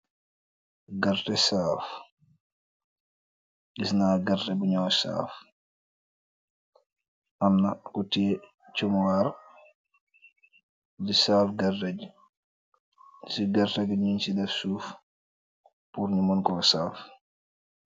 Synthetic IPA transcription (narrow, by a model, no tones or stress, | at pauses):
ɡartɛsaːf | ɡisnaːɡɐrtɛbuɲɔːwsa̰ːf | ʔamnɐkuti | t͡ʃumwaɾ | disaːfɡɐrtɛɟ | siɡɐrtɛɡɲunsidɛfsuːf | puɾɲumɔnkɔsaːf